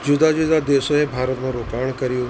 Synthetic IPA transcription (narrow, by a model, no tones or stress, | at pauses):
d͡ʒʊd̪ad͡ʒʊd̪ad̪eːsoebʱaːɾət̪mãɾoːkaːɳ̃kəɾijũ